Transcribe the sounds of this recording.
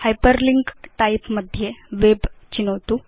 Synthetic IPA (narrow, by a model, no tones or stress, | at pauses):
hajpəɾliŋɡʈaipməd̪ʱːjeʋebt͡ɕinəʋt̪u